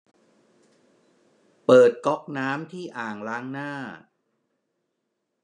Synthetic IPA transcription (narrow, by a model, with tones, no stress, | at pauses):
pɤː˨˩t̪̚kɔ˦˥k̚naː˦˥mt̪ʰiː˥˩ʔaː˨˩ŋɾaː˦˥ŋnaː˥˩